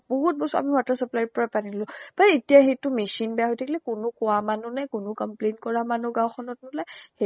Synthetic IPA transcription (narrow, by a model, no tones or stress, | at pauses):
bɔɦut̚bɔsɔa̰miwatasɔplajpɔɹapaniɡlʊ̃paɹetijaxejtʊmisinbɛjaɦojtʰakilɛkʊnʊkʊwamanunɛkʊnʊkɔmplentkɔɹamanʊɡãw̃xʰɔnɔtnɔlajhe